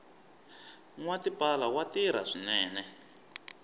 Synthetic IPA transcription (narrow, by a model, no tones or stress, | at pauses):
ŋwatipalawatiɾ̤a̰ʂinɛːnɛ